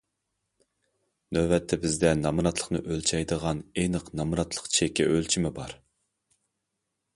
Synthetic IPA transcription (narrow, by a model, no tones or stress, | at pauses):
nøbɛt̪ʰːɛbɪzd̪ɛnɑmɨɾɑt̪lˠə̥χnɨ̰ʔølt͡ʃʰɛjd̪əʁɑnenəqnɑmɨɾɑt̪ʰlˠə̥qt͡ʃʰɛkʲːɛʔølt͡ʃʰimɪbɑɾ